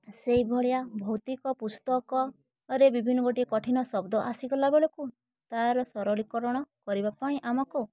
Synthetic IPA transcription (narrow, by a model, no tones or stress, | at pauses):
seɦibʱɔɭjabʱɔwt̪ikɔpust̪ɔkɔː | ɾebibʱinɔɡoʈiekɔʈʰinɔsɔbd̪ɔʔasiɡɔlabeɭeku | t̪aɾɔsɔɾɔɭikɔɾɔɽ̃ɔkɔɾibapãĩʔamɔku